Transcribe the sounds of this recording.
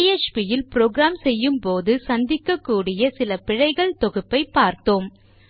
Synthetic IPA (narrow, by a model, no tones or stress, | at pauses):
et͡ʃpijɪlpɪɾoːɡɾaːmsɛjːɯmpoːðɯsɐnd̪ɪkːɐkːuːɽɪjɐsɪlɐpɪɻɐɪɣɐɭt̪ɔɣɯpːɐɪpːaːɾt̪oːm